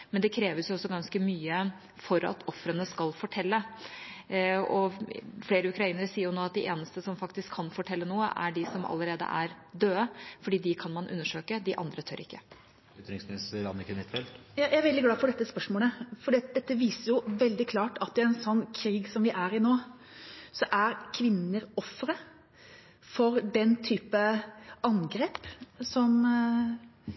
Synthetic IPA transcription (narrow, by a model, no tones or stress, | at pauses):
mɛnd̪ɛkʰɾeːʋəɾsjʊɔsːɔɡɑnskəmyːə | fɔɾɑ̰t̪ʰɔfɾənəskɑlfɔʈʰɛlːə | ɔfleːɾəʉkɾɑiːnəɾəsiːəɾjʊnoːɑt̪̚d̪ɪʔeːnəst̪əsɔmfɑkt̪ɪskʰːɑnfɔʈʰɛlːənuːə̰ʔæɖɪsɔmɑ̰lːəɾeːd̪ə̰ʔæɾd̪øːəfɔɖiːd̪ɪkʰɑnmɑnʔʉ̰nːəʂøːkəd̪ɪʔɑ̰nd̪ɾət̪ʰø̰ːɾɪ̰kːə | t̪ɾɪŋsmɪnɪsəɑ̰nəkənɪt̪fɛlt̪ | jɑjʔææɾʋɛld̪ɪɡlɑːfɔɖɛt̪ːəspœʂmoːləfɔɖiːɑt̪̚d̪ɛt̪ːəʋiːsəɾjʊʋɛld̪ɪkʰlɑːʈɑt̪ːɪɛnsɔnːkʰɾiːɡsɔmʋɪʔæɾɪnoː | sɔʔæɾkʰʋɪnːəɾɔfːɾə | fɔɾd̪ɛnt̪ʰyːpəɑŋɡɾeːpsɔm